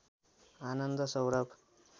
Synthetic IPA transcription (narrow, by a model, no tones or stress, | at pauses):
aːnʌnd̪ʌsʌwɾʌbʱ